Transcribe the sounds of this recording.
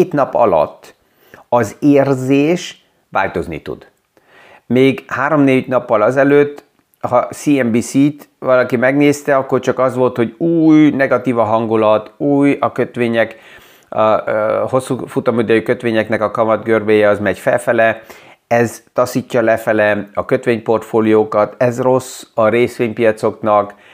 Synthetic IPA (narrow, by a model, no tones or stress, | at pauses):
eːt̪nɒpɒ̰lɒ̰t̪ː | ɒzeːrzeːʃ | ʋa̰ːlt̪o̞znḭt̪ṵd̪̥ | meːɡhaːɾo̞mneːɟnɒpːɒlɒzɛløːt̪ː | hɒsiɛmbisit̪vɒlɒkimɛɡneːst̪ɛɒkːo̞rt͡ʃɒkɒzʋo̞lt̪ho̞ɟuːjnɛɡɒt̪iːvɒɦɒŋɡulɒt̪uːjɒkøt̪ʋeːɲɛk | ɒho̞sːufut̪ɒmød̪øjykø̞t̪ʋeːɲɛknɛkɒkɒmɒd̪ɡørbeːjɛɒzmɛɟfɛ̰lfɛlɛ | ɛzt̪ɒsiːcːɒlɛfɛlɛɒkøt̪ʋeːɲpo̞rt̪foːlijoːkɒt̪ɛzro̞sɒɾeːsʋeːɲpijɒt̪so̞knɒk